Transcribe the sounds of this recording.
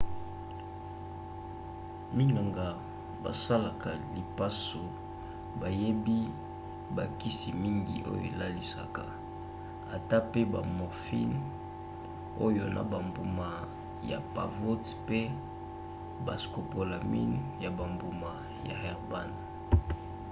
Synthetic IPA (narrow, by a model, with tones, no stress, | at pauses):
mi˦na˨ŋɡa˨ | ba̰˨sa˦la˨ka˨li˨pa˦so˨ | ba˨je˦bi˦ | ba˨ki˦si˨mi˦ŋɡḭ˨ʔo̰˦jo̰˨la˦li˨sa̰˨ka̰˨ | a˨ta˦pe˦ba˨mɔ˨ʁfḭ˦n | o̰˦jo˨na̰˨ba˨mbu˨ma˨ | ja̰˨pa̰˨vo˦t | pe˦ | ba˨sko˨po˨la˨mḭ˦n˦ja˨ba˨mbu˨ma˨ | ja̰˨hɛ˨ʁba˦n˨